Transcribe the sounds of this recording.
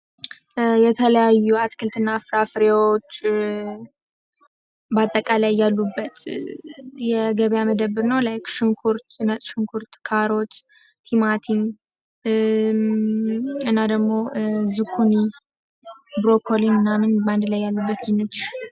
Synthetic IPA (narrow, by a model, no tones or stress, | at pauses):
jɛt̪ʰələjajːuat̪kʰɨlt̪ɨnːafɾafɾewot͡ʃː | bat̪ʼːəkʼalajːalːubːət̪ | jɛɡəβjaməd̪əβɨɾnəwlajkʃɨŋkʰuɾt̪nət̪ʼʃɨŋkʰuɾt̪kʰaɾo̞t̪ | t̪ʰimat̪ʰin | ɨnːad̪əɡmo̞zɨkʰːuni | bɾokʰolinɨnːamɨnband̪lajːalːubːət̪ɡinːɨt̪ʰɪʃ